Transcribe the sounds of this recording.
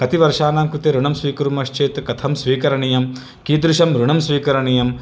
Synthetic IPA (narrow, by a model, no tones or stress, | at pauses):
kɐt̪iʋɐɾʂaːnaːmkɾut̪eɾuɳɐmsʋiːkuɾumɐʂt͡ʃeːt̪kɐt̪ʰɐmsʋiːkɐɾɐɳijɐm | kiːd̪ɾuʃɐmɾuɳɐmsʋiːkɐɾɐɳijɐm